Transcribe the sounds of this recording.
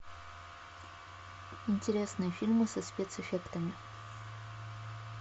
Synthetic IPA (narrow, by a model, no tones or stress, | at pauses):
ɪnʲtʲɪɾʲesnɨjəfʲilʲmɨsɐspʲet̪sɨfʲekt̪əmʲɪ